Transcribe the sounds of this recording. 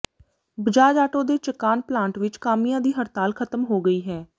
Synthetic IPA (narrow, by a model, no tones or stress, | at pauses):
bɪd͡ʒaːd͡ʒaːʈoːd̪eːt͡ʃəkaːnplãːɳʈʋɪt͡ʃkaːmɪjãːd̪iːɦəɾt̪aːlkʰət̪əmɦoːɡəiːɦɛː